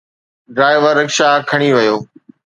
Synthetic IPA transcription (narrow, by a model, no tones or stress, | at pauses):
ɖɾaːɪʋəɾːəkʃaːkʰəɽ̃iʋɐjoː